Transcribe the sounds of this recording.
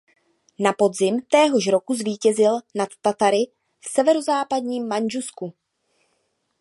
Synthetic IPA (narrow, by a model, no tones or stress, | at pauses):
napo̞dzɪmt̪ɛːɦo̞ʃ̬ɾo̞kuzviːcɛzɪlnat̪ːat̪aɾɪ | fsɛvɛɾo̞zaːpadɲiːmːand͡ʒusku